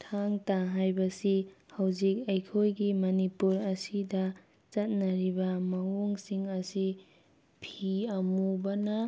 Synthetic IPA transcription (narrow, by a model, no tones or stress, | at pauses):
tʰaŋtaɦajbɐsihawzik̚ɐjkʰojɡimɐnipuɾɐsidɐ | t͡ʃɐt̚nɐɾibɐmɐwoŋsiŋɐsi | pʰiɐmubɐnɐ